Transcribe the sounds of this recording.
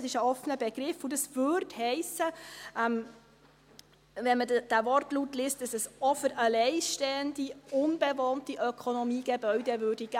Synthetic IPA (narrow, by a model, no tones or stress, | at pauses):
sɪʃəɔfənəbɛɡ̥ɾɪfudɑsvøɾthɛɪsːəʔɛm | vɛnmədd̥ævɔrtlutlɪːstdɑsɛsɔfəɾəlɛɪʃteːəndiʊnb̥ɛvɔːntiʔœkʰonɔmiːɡ̥ɛbœɥdɛvøːrdiɡ̥æ